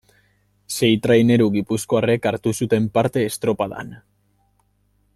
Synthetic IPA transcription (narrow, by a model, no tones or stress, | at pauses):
se̞jt̪ɾajne̞ɾuɣipusko̞are̞kaɾt̪usut̪e̞mpaɾt̪e̞ːst̪ɾo̞paða̰n